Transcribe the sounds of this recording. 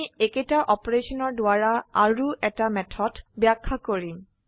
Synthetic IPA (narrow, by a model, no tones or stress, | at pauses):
eketaʔɔpɔɹeʃɔnɔɹdoaɹaa̰ɹuʔɛtamɛtʰɔdbakʰːakoɹim